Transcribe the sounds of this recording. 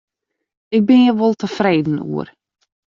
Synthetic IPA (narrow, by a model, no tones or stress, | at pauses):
ɪk̚bɪnjəʋolˠtəfreːdn̩ṵər